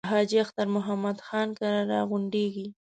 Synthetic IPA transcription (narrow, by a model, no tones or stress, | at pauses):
ɦɑd͡ʒiaxt̪aɾmʊɦamːad̪xɑnkaɾaɾɑ̰ɣʊɳɖeɡi